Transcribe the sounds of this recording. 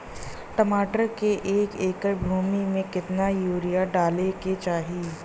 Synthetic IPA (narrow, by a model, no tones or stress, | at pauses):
ʈɐmaːʈəɾkeʔeːkeːkəɾbʱuːmimẽkɪt̪najuːɾijaɖaːleket͡ʃaːɦiː